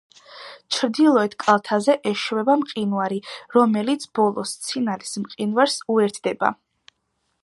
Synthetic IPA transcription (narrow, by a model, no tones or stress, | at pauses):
t͡ʃʰɾd̪ilˠɔɛt̪kʼalˠt̪ʰazɛʔɛʃvɛbamqʼinwaɾiɾɔmɛlit̪sʰb̥ɔlˠɔ̰st̪sʰinalismqʼinwaɾsuɛɾt̪ʰd̪ɛba̰